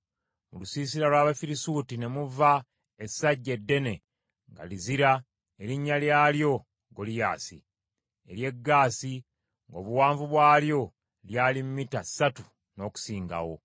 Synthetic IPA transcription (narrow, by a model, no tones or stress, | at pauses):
mulusiːs̬iɾalwaːβafiɾisuːtine̞muva | esaɟːe̞dːe̞ne̞ | ŋɡa̰liziɾa | eɾiɲːaljaːljo̞ | ɡolija̰ːsḭ | e̞̰ɾje̞ɡːaːsi | ŋɡo̞̰ːβuwaːɱvuβwaːljo̞ | ljaːlimmːitasːatu | no̞ːku̥siːŋɡa̰wo̞̰